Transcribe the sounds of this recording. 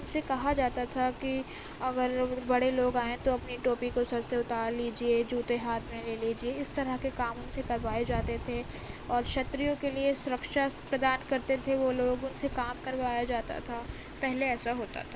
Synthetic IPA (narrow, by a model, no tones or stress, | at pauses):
tɐʊbsekɐɦad͡ʒaːt̪at̪ʰaki | ɐɡəɾbɐɽeloːɡaːẽt̪oɐpniʈoːpikosɐbseʊt̪aːɾliːd͡ʒied͡ʒuːt̪eɦaːt̪ʰmẽleːliːd͡ʒieɪst̪ɐɾəɦkekaːmʊnsekɐɾʋaːed͡ʒaːt̪et̪ʰeɔːɾʃɐt̪ɾijõkeliesʊɾəkʃapɾɐd̪aːnkɐɾt̪et̪ʰeʋoloːɡʊnsekaːmkɐɾʋaːjad͡ʒaːt̪a̰t̪ʰa | pɛɦleɛːsaɦoːt̪a̰t̪ʰa